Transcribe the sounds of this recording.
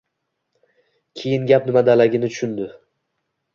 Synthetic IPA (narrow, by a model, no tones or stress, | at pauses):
kʲʰejɪnɡʲapnɪmad̪alaɡʲɪnɪt͡ʃ̪ʰʊ̥ʃʊnd̪ɪ